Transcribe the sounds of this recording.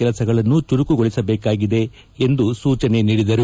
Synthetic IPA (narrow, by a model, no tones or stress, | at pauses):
ɛlɐsɐɡɐɭɐnːut͡ʃuɾukuɡoɭisɐbɛːkaːɡid̪e̞ː | nd̪usuːt͡ʃɐne̞niːɽid̪ɐɾu